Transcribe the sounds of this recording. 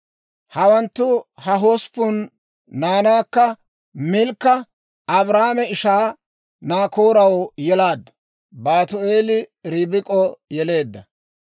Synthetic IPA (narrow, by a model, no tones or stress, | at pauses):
hɐwɐnt̪ːʊhɐɦoːspːʊnː | aːnaːkːɐ | mɪlkːɐ | ɐbɾaːmɛɪʃaː | naːkoːɾɐwjɛlaːd̪ɐ | baːt̪ʊe̞ːlɪɾibɪkʼɔjɛle̞ːd̪ːɐ